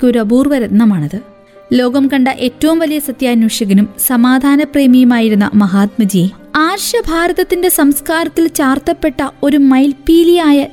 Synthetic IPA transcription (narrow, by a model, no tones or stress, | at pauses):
kʲːo̞ɾuɐbuːrʋɐɾɐd̪nɐmaːɳɐðɨ | lo̞ːɡɐmkɐɳɖɐʔe̞ːtːɐʋumʋɐlijɐsɐt̪jaːnjuʂjɐɣɐnumsɐmaːd̪ʱaːnɐpreːmijɐmaːjiɾunːɐ̰mɐɦaːt̪̚mɐd͡ʑie | aːrʂɐbʱaːɾɐðɐt̪ːinde̞sɐmskaːɾɐt̪ːilt͡ɕaːrt̪ːɐpːe̞ʈːɐo̞ɾumɐjlpiːlijaːjɐ